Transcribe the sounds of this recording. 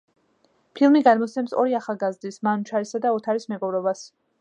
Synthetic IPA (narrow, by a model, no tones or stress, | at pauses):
pʰilˠmiɡad̪mɔt̪sʰɛmsɔ̰ɾiaχalˠɡazd̪ismant͡ʃʰaɾisad̪aɔt̪ʰaɾismɛɡɔvɾɔbas